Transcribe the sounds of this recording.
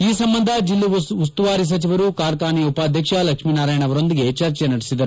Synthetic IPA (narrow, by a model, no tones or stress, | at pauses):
iːsɐmbɐnd̪ʱɐd͡ʒilːuust̪uʋaːɾis̬ɐt͡ʃiʋɐɾukaːɾkaːniupaːd̪ʱjɐkʂɐlɐkʂmiːnaːɾaːjɐɳɐʋɐɾo̞nd̪iɡe̞t͡ʃɐɾt͡ʃjenɐɽisid̪ɐɾu